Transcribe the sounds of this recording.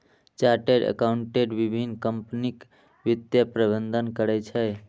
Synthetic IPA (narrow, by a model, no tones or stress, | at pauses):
t͡ʃaɾʈeɖə̰kauɳʈeɖʋibʱinkəmpnik | ʋid̪japɾəbənd̪ʱənkəɾɛt͡ʃʰəj